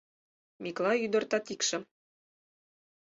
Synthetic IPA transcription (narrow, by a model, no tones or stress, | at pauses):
mʲiklˠɑjyd̪ɤ̆rt̪ɑt̪ikʃɘ̆